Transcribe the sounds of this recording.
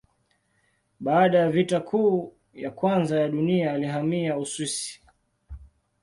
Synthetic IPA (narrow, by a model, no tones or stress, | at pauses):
ɓaːɗajavitakʰuː | jakwanzajaɗuniaːliɦamiauswisi̥